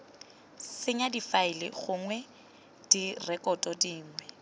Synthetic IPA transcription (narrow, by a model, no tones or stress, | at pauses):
sɪɲadifaɪlɪ̰ɣʊŋwɛ | d̥irɛkʼɔtʼɔdiːŋwwɛ